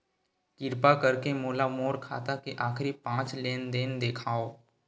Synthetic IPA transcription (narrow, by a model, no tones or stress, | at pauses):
kɪɾpakɐɾkemoːlamoːɾkʰa̰ːt̪akeʔaːxɾipãːt͡ʃleːnd̪eːnd̪eːkʰaːoː